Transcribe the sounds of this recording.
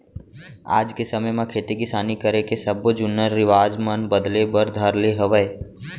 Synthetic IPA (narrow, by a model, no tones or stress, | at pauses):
a̰ːd͡ʒkesəməjmãkʰeːt̪ikɪsaːnikəɾekesəbd͡ʒʊnːəɾɪʋaːd͡ʒmənbəd̪lebəɾd̪ʱəɾleɦəʋəj